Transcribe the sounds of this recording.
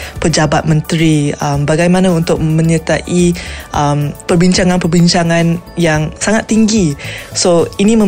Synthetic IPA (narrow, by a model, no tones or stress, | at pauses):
pəd͡ʒabat̪̚mə̃nt̪ɾiəmbaɡajmãnãunt̪ʊk̚mə̃ɲət̪aʔiʔəmpərbiɲt͡ʃaŋanpərbiɲt͡ʃaŋãnjaŋsaŋat̪ːiŋɡisoinĩmə̃